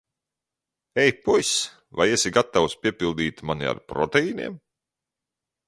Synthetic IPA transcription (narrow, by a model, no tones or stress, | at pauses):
ɛjpujs | va̰jesiɡat̪ːawspʲiɛpilˠd̪iːt̪mania̰ɾpɾɔt̪eiːnḭɛm